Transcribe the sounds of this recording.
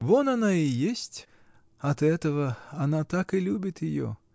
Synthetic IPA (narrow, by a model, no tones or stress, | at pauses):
vɔnɐnaijesʲt͡sʲ | ɐt̪ɛt̪əvɐɐnat̪akɨlʲubʲɪt̪jɪjɔ̰